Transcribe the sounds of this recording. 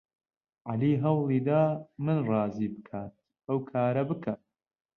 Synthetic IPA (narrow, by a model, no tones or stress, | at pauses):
ʕaliːɦɐwlˠiːd̪aːmɨnrˤɑːziːbɨkʰaːt̪̚ | ʔɐwkʰaːɾɐbɨkʰa